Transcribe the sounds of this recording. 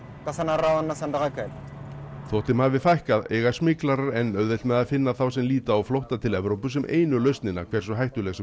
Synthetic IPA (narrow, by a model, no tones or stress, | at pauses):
kaθanːaɾawðanːasant̪aɣakʰɛlt̪θɔht̪ɪmhavɪfajhkaðeːjɣḁsmɪːklaɾaɾɛnːœɥðɪlmɛðaðfɪnːaθawsɛmliːt̪aːwflowht̪at̪ʰɪlɛvɾowpʏs̬ɛmʔḛːjnʏlœɥst̪nɪnːa̰kʰvɛɾ̥sɔɦajht̪ʏlɛɣas